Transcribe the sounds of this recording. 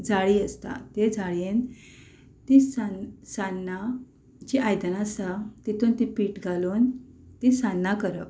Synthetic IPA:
d͡zaɭiəst̪a̰t̪ed͡zʱaɭen | t̪isansanːa | d͡ʑiajd̪ənasat̪it̪unt̪ipiːʈɡʱalunt̪isanːakəɾəp

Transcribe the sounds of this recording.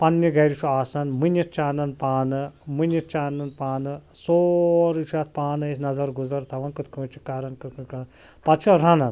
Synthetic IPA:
pɐnːiɡɐjɾit͡ʃʰʲuaːsɐnmɨnjit̪̚t͡ʃaːnɐnpaːnɨmɨnit͡ʃaːnɐnpaːnɨsoɾit͡ʃʰuaːt̪̚ʰpaːnɨesnɐzɐɾɡuzɐɾt̪ʰɐʋɐnkɨt̪kɨt͡ʃʰi̥kaɾɐnkɨkkɐ | pɐt͡ʃʰɐlɾãnɐn

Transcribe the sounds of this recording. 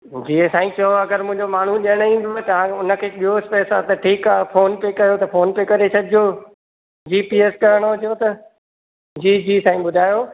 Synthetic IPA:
d͡ʑiːẽsaːĩt͡ɕɐoɐɡəɾmʊ̃ɦɪ̃ɲd͡ʑomaːɳ̤uɗɐɽ̃ĩːn̆d̪oet̪ɐʋ̤ãʊnə̆kʰeːɓiɦoɪspeːsat̪ɐʈʰiːkaːfoːnpekɐjot̪ɐfoːnpekɐɾet͡ɕʰɐd̪ʱjo | d͡ʑiːpieːskɐɾəɽ̃d͡ʑjot̪ɐ | d͡ʑiːd͡ʑiːsaːĩɓʊd̪ʱaːjoː

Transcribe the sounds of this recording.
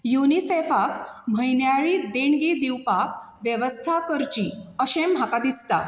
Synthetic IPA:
junisefakm̤əjnjaɭid̪eɳɡiːd̪iwpak | ʋjəʋəst̪ʰakəɾt͡ɕĩəɕẽm̤ʱakad̪ist̪a̰

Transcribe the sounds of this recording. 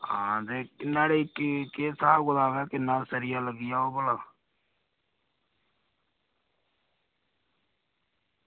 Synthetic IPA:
ɦãːd̪eːkɪnːaːɽeːɪkkeːsaːɡʊlaːʋɛːkɪnːaːsəɾɪjaːləɡɪjaːoːbəlaː

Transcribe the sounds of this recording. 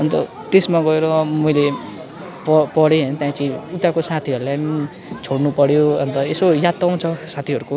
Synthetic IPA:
ʌnt̪ʌ̰ | t̪esmaɡʌeɾʌmʌjle | pʌpʌɽeɦʌnʌt̪jãit͡sʌĩut̪ːakosat̪ʰiɦʌɾulajni | t͡sʰoɽnupʌɽjoʌ̰nt̪ʌesojat̪aw̃t͡sʰʌsat̪ʰiɦʌɾuko

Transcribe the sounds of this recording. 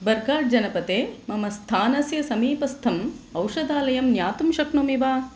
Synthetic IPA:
bɐɾɡaːʈ̚d͡ʒɐnɐpɐt̪eːmɐmɐst̪ʰaːnɐsjɐsɐmiːpɐst̪ʰɐmɐwʂɐd̪aːlɐjɐmnjaːt̪umʃɐkɳɐmiʋaː

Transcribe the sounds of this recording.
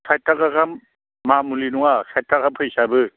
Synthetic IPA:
sʰajtʰːakakamː | amulinuŋasʰajtʰːakampʰɯjsabɯ

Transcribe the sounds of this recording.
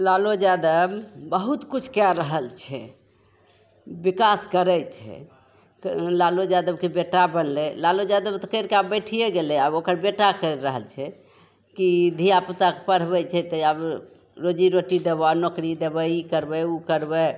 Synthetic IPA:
lalod͡ʒad̪əbbəɦut̪kut͡ʃʰkaɾəɦəlt͡ʃʰɛ | bikaskəɾɛt͡ʃʰɛ̰ | klalod͡ʒad̪əbkebeʈabənlɛlalod͡ʒad̪əbt̪ɔkəɾkeabəʈʰijeɡelɛabokəɾbeʈakəɾːəɦəlt͡ʃʰɛ | kid̪ʱijaput̪akepəɽ̤bɛt͡ʃʰɛt̪əab | ɾod͡ʒiɾoʈid̪ebanokɾid̪ebəikəɾbɛukəɾbɛ

